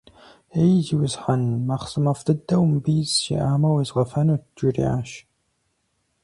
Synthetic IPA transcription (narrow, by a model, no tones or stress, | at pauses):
ejziwʊzħanmaːχsɨmɐfɨdɐwmbiːzʃḭʔaːmɐwizʁɐfɐnuːd͡ʒirḭːa̰ːʃ